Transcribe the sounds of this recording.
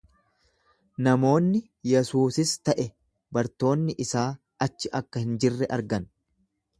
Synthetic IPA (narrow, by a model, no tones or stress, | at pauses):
nɐmo̞ːnːɪ | jɛsuːsɪst̪ɐʔɛ | bɐɾt̪o̞ːnːɪʔɪsaː | ɐt͡ʃːɪʔɐkːɐhɪnd͡ʒɪrːɛʔɐɾɡɐn